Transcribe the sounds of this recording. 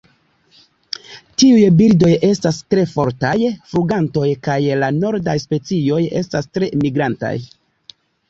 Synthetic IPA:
tiujbiɾdo̞je̞stastɾe̞fo̞ɾtajfɾuɡanto̞jkajlano̞ɾdajspe̞t͡sio̞je̞̰stastɾe̞miɡɾanta̰j

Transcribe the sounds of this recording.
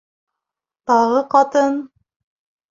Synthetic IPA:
t̪ɑʁɤqɑt̪ɤn

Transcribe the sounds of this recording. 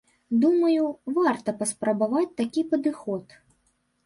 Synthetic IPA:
d̪umɐjuvart̪ɐpɐspɾɐbavat͡sʲt̪akʲipɐd̪ɨxɔt̪

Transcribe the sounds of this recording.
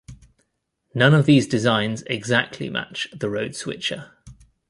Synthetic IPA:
nʌ̃nəvðiːzdɪzãɪ̃nzɪ̰ɡzak̚tʰlḭmʔa̰t͡ʃðəɹəʊd̥swɪ̰t͡ʃə̰

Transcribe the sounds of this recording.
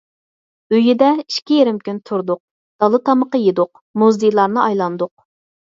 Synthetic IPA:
øjɪd̪ɛiʃkʲijeɾɪmkʲynt̪ʰuɾd̪ʊq̚ | d̪̥ɑlˠɨt̪ʰɑməqəjed̪ʊq | muzd̪ijlˠɑɾnɨɑjlˠɑnd̪ʊq̚

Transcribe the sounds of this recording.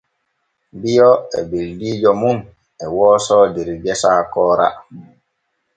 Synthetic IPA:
bijɔɛ̰bildiːd͡ʒɔmun | ɛwɔːsɔːdeɾiɡɛsaːkɔːɾa̰

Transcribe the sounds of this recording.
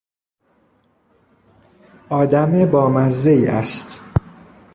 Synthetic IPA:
ʔɒːd̪æmebɒːmæzːejːʔæ̰st̪

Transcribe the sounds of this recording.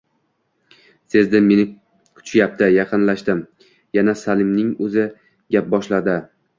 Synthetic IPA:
se̞zd̪ɪːe̞nɪ | kʰʊ̥t͡ʃʰjap̚t̪ʰɪjɑqɨnlaʃt̪ɪm | janasalɪmnɪŋɵzɪ | ɡʲap̚bɒʃlad̪ɪ

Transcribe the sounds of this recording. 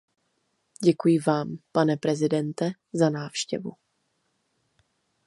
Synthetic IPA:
ɟɛkujɪvaːmpanɛpɾɛzɪdɛnt̪ɛ | zanaːfʃcɛ̰vṵ

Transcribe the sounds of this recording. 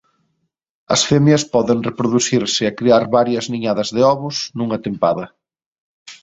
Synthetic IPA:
ɐ̰sfemjɐspɔðeŋrepɾʊðuθiɾsɪekɾiaɾβaɾjɐzniɲaðɐzðɪɔβʊsnuŋɐt̪empa̰ðɐ

